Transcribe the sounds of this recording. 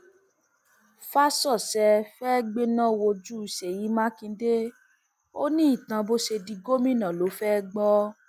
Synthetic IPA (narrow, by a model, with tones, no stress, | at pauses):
fa˦sɔ˦˨sɛ˧fɛ˦ɡ͡be˦nã˦wo˧d͡ʒu˦i˨se˨ji˨˦mã˦kĩ˧de˦ | o˦nĩ˦i˦˨t̪ã˧bo˦ʃe˧di˧ɡo˦mĩ˦˨nã˨lo˨˦fɛ˦ɡ͡bɔ˦